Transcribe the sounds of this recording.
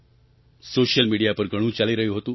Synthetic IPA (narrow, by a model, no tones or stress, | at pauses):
soɕəlmiɽijapəɾɡʱəɽ̃uːt͡ɕaliɾəɦiɦot̪ũː